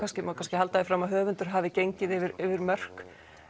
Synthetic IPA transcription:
kʰanscɪmakʰanscɪhalt̪aðɪfɾaːmaɦœːvʏnt̪ʏɾ̥ɦaːvɪcejɲcɪðɪvɪɾɪvɪɾmœr̥k

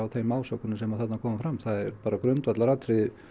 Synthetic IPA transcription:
awθejmːaːwsɔkʏnʏmsɛmaðθat̪nakʰɔːmafɾamθaðɛɾpaːɾakɾœnt̪vat̪laɾat̪ɾɪðɪ

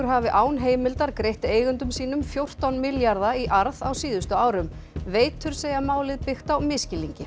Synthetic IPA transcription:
ʏɾ̥ɦaːvɪʔaːwnɦeːjmɪlt̪aɾkɾejht̪eːjɣʏnt̪ʏmsiːnʏmfjowr̥t̪awnmɪljaɾðaiʔaɾðawsiːðʏst̪ʏaːwɾʏmveːjt̪ʰʏɾ̥seːjamaːwlɪðpɪxt̪awmɪscɪliɲcɪ

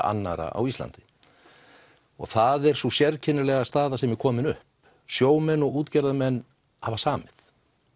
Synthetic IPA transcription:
a̰nːa̰ɾa̰a̰wist̪la̰nt̪ɪ̥ | ɔ̰ɣθaðɛɾ̥susjɛɾcʰɪnːɪlɛɣast̪aːðasɛmɛɾ̥kʰɔːmɪnʏ̰hp | sjoːwmɛnːɔɣuːt̪cɛɾðamɛnː | havasaːmɪθ

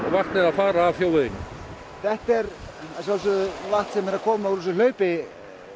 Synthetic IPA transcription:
ɔɣvaht̪nɪðaðfaːɾaːvθjoːwvɪɪn̰ː | θɛht̪ɛɾ | asalsʏðʏlaht̪sɛmɛɾakʰɔːmauɾus̬ʏl̥œːɥpɪ

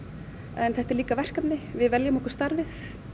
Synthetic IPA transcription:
ɛnθɛht̪ɛɾliːkavɛr̥kapnɪvɪðvɛljamɔhkʏ̥st̪aɾvɪθ

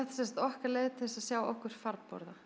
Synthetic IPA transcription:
ɛht̪sɛnsant̪ɔhkaɾlɛːɣɪt̪ʰɪlsaðsjaːwɔhkʏɾ̥faɾpɔ̰ɾða

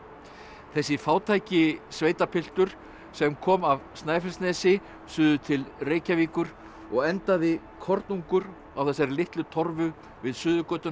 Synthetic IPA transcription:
θɛsːɪfaːwt̪ʰaːjcɪsveːjt̪apʰɪl̥t̪ʏɾ̥ | sɛmkʰɔːmavst̪naːjfɛlsnɛːsɪ | sʏːðʏt̪ʰɪlreːjcaviːkʏɾ̥ | ɔɣɛnt̪aðɪ | kʰɔɾt̪nuŋkʏɾ | awθɛs̬ːaɾlɪht̪lʏt̪ʰɔɾvʏ | vɪðsʏːðʏkœːt̪ʏ

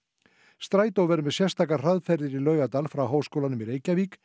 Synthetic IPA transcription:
st̪ɾaːjt̪awvɛɾʏmɛðsjɛr̥st̪ʰakḁr̥aðfɛɾðɪɾilœːɥɣat̪alfɾawɦoːwskowlanʏmiɾeːjcaviːk

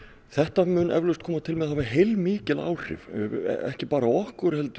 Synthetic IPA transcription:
θɛht̪amʏnʔɛ̰vlʏst̪kʰɔːmat̪ʰɪlmɛðhaːvɪɦejlmiːcɪla̰ːwr̥ɪ̰v̰ɛ̰hcɪpaːɾaɔhkʏɾhɛlt̪

